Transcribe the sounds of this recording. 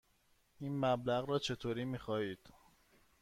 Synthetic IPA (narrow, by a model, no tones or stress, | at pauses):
iːnmæblæɣɾɒːt͡ʃʰe̞t̪ʰoːɾiːmiːxɒːiːd̪̥